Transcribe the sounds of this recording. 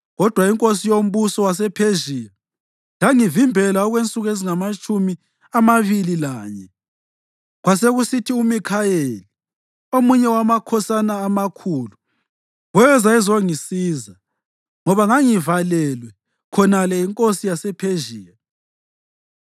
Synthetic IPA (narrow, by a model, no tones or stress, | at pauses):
ɣɔd̥ʱwaiŋkʼosijom̩βusɔwas̬ɛpʰeʒiːla | laŋivimbʱɛlaɔɣwent͡sʼuɣeziŋamat͡ʃʼumi | amaβililaːɲɛ | ɣwaseɣusitʰiumikʰaeli | omuɲɛwamakʰɔsanaːmakʰuːlu | ɣɛzaɛzoŋisiːza | ŋɔβaŋaŋivalɛlwɛ | kʰɔnalɛiŋkʼosijasɛpʰeʒiːla